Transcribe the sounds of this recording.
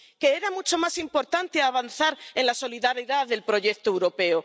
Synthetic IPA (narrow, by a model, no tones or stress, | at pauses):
ke̞eɾamut͡ʃo̞masimpo̞ɾt̪ant̪eaβ̞anθaɾenlaso̞liðaɾiðaðe̞lpɾo̞ʝe̞kt̪owɾo̞pe̞o